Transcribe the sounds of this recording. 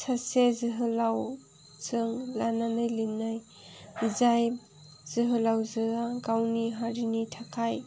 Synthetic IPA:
sasezɯɦɯlaw | zɯŋlananajlinːaj | izaj | z̥ɯɦɯlawzɯaɡawniɦaɾinitʰakʰaj

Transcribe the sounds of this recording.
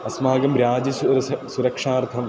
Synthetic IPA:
ɐsmaːɡɐmɾjaːd͡ʒɐʃuɐɾɐsuɾɐkʂaːɾt̪ʰɐm

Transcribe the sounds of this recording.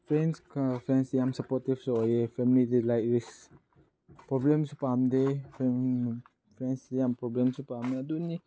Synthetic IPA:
fɾɛnskafɾɛnsjamsapɔt̪ifsoojefɛmilidilajɾis | pɾoblɛmsupamdefɛ | fɾɛnsdjampɾɔblɛmsupamaduni

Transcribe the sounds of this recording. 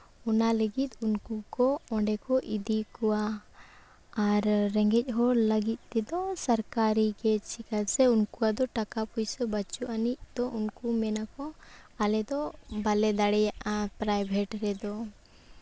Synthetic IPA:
ɔnaləɡit̪unkukɔɔɳɖɛkɔʔid̪ikɔwa | ɾːɛŋɡɛc̚ˀɦɔləɡit̪̚ˀːt̪ɛd̪ɔsaɾkaɾikɛt͡ʃʰikalsɛunkuad̪ɔʈakapujsɔbat͡ʃuʔanic̚d̪ɔʔunkumɛnakɔalɛd̪ɔbalɛd̪aɽɛjaʔapɾajbʱɛʈɾɛd̪ɔ

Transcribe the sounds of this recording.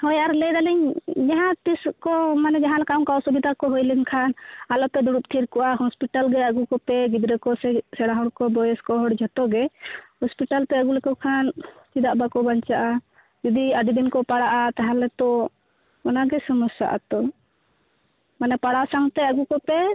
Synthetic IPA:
hɔjaɾlɛd̪aliɲd͡ʒaɦãt̪iskɔmanɛd͡ʒaɦãlakaŋkawsubid̪ʱakɔɦɔjliŋkʰanalɔt̪ɛd̪uɽup̚t̪ʰiɾkɔʔaɦɔspiʈalɡɛaɡukɔpɛɡid̪ɾɛkɔsɛsɛɽaɦɔɽkɔbɔjɛskɔɦɔɽd͡ʒʱɔt̪ɔɡɛhɔspiʈalt̪ɛaɡulɛkɔkʰant͡ʃid̪aʔbakɔbaɲt͡ʃaʔa | d͡ʒud̪iad̪id̪inkɔpaɽaʔat̪aɦãlɛt̪ɔ | ɔnaɡɛsɔmɔsa̰ʔa̰t̪ɔ | manɛpaɽasaŋt̪ɛaɡukɔpɛ

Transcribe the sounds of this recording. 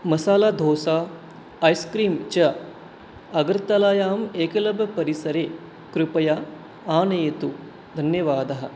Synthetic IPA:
mɐsaːlaːd̪ʱoːsaː | ɐjskɾiːmt͡ʃɐ | ɐɡɐɾt̪ɐlaːjaːmeːkɐlɐbɐpɐɾisɐɾeː | kɾupɐja | aːneːt̪u | d̪ʱɐnjɐʋaːd̪ɐɦɐ̆

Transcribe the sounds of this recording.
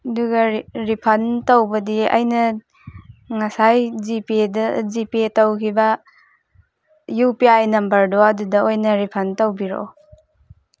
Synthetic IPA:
ɐduɡɐɾipʰɐntowbɐdiɐ̰jnɐ | ŋɐsajzipidɐzipitɐwkʰibɐ | jupiajnɐmbɐɾdoɐdudɐojnɐɾipʰɐntɐwbiɾo̰

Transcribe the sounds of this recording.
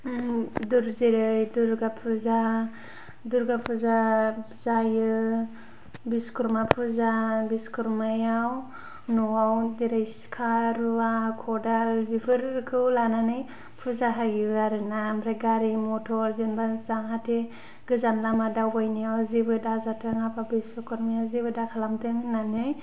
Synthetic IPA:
duɾzeɾɯjduɾɡapʰuza | duɾɡapʰuza | zajɯ | biskʰuɾmapʰuzabiskʰuɾmajaw | nɔawdeɾajskʰaɾuwakʰɔdalbipʰɯɾkʰɯwlananɯj | pʰuzaɦaɡiaɾɯnamɾajɡaɾimɔtʰɔɾzenbazaŋatʰe | ɡɯzanlamadawbajnijawzibɯdazatʰɯŋapabisɔkʰɔɾmajazibɯdakʰalamtʰɯŋnanɯj

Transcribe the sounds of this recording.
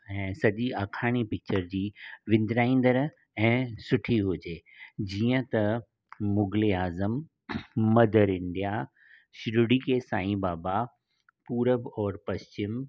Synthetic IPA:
ɛ̃ːsɐʄiaːkʰaːɽ̃ipɪk̚t͡ɕəɾd͡ʑiːʋɪ̃nd̪ɾaːĩːn̆d̪əɾ | ɛ̃ːsʊʈʰiɦʊd͡ʑeːd͡ʑiːə̃t̪ɐ | mʊɡleaːzəmː | ɐd̪əɾɪ̃ɳɖ̪ija | ɕɪɾʊɽikesãːĩbaːba | puːɾəbɔːɾpɐʃt͡ɕɪm

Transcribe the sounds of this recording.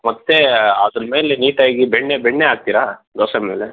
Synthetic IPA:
mɐt̪ːeɐd̪ɾɐmeːleniːʈaiɡibɛɳːebɛɳːeaːɡ̚t̪iɾaːɡ̪ɐwsɐmeːle

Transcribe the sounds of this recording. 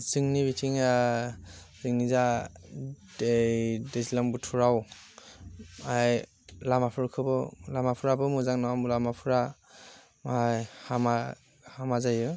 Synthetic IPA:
zɯŋnibitʰiŋa | z̥ɯŋniza | dedezilaŋbutʰuɹaw | aj | lamapʰɯɾkʰɯbɯlamapʰuɾabɯmuzaŋnawamulamapʰuɾa | majhama | hamazajɯ

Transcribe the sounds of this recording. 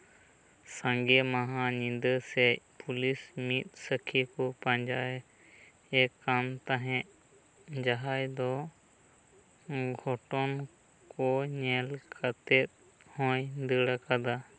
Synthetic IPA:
sãŋɡɛmaɦãɲind̪əsɛpulismit̪̚ˀsəkʰikɔpaɲd͡ʒaɛ | ɛkːamt̪aɦɛ̃ʔ | d͡ʒaɦajd̪ɔ | ɡʱɔʈɔn | kɔɲɛlkʰat̪ɛt̪̚ | hɔ̃jd̪əɽakad̪a

